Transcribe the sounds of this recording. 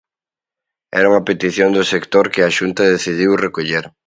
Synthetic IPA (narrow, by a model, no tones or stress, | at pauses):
ɛ̰ɾauŋɐpet̪iθjond̪ʊsekt̪oɾkɪaʃunt̪ɐðeθið̞iwrekoʎeɾ